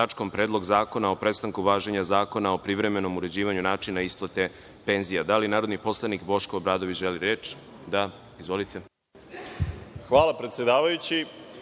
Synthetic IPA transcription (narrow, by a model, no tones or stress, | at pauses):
at͡ʃko̞mpɾe̞ːd̪lˠo̞ɡzaːko̞nao̞pɾe̞st̪aŋkuʋaːʒeɲazaːko̞nao̞pɾiʋɾe̞me̞no̞muɾe̞d͡ʑiːʋaɲunaːt͡ʃinaisplˠat̪e̞ | pe̞nzijad̪alinaːɾod̪nipo̞slˠanikbo̞ʃkoːbɾaːd̪o̞ʋit͡ɕʒeliɾeːt͡ʃ | d̪a | izʋo̞lit̪e̞ | xʋaːlˠapɾet̪sʲjed̪aːʋajut͡ɕi